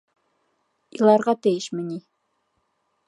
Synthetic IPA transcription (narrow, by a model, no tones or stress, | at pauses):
ilˠɑɾʁɑt̪ɘ̆jɘʃmɘni